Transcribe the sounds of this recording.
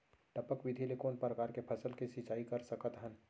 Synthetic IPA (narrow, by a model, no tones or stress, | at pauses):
ʈəpəkʋɪd̪ʱilekoːnpɾəkaːɾkepʰɐsəlkisɪt͡ʃaːikɐɾsəkət̪ɦən